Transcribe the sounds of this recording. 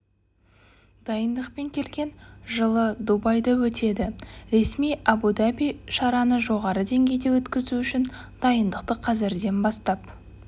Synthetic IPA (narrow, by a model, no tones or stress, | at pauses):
d̪̥ɑjənd̪əqpe̞ŋkʲʰe̞lɡʲe̞nʒəlˠəd̪ubɑjd̪ɑwɵt̪e̞d̪ɪɾe̞smijabud̪abijʃɑɾɑnəʒo̞ʁɑɾəd̪e̞ŋɡʲe̞jd̪e̞wɵt̪kʲɪzuʏʃɪn | d̪̥ɑjənd̪əqt̪əqʰɑzɪɾd̪e̞nbɑst̪ɑp